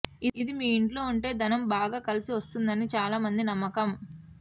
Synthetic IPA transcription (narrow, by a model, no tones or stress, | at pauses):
iid̪imiːiɳʈlo̞ːuɳʈe̞ːd̪ɐnɐmbaːɡaːkɐlisiʋɐst̪und̪ɐnit͡ʃaːlaːmɐnd̪inɐmːɐkɐm